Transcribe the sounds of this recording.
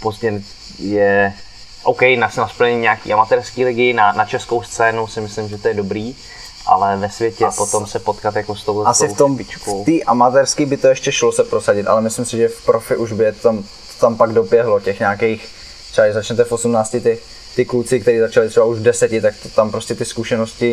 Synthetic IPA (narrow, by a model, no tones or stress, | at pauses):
pozɲɛm | jɛ | ʔowkɛjnasnaspl̩ɲɛɲɲɛaakḭːʔamat̪ɛɾskiːlɪɡɪnanat͡ʃɛskowst͡sɛːnowsɪmɪslɪmʒɛt̪ojɛdobɾiː | ʔa̰lɛvɛsvjɛcɛpot̪omsɛpot̪kat̪jakost̪owlɛʔasɪft̪omt͡ʃkot̪iːʔamat̪ɛɾskiːbɪt̪oɛʃcɛʃlosɛpɾo̞saɟɪt̪a̰lɛmɪslɪmsɪʒɛfpɾofɪʔuʒbɪɛtt̪am | t̪o̥t̪ampaɡdo̞pjɛɦlo̞cɛxɲaːkejx | t̪r̥ɛbaɛzat͡ʃɲɛt̪ɛfo̞sumnaːt͡scɪt̪ɪ | t̪ɪklut͡sɪk̚t̪ɛɾiːzat͡ʃalɪt̪r̥ɛbauʒvdɛsɛcɪt̪ak̚t̪ot̪ampɾo̞scɛt̪ɪskuʃɛnoscɪ